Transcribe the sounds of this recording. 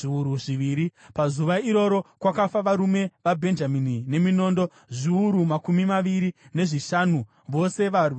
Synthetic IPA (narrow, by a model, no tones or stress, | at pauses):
iuɾuiʋiːɾipazuʋaiɾo̞ɾo̞kwakafaʋaɾume̞ʋabʱe̞nd͡ʒaminine̞mino̞ːndo̞ | ʐiuɾumakumimaʋiɾine̞ʐiʃanu | ʋo̞se̞ʋarwi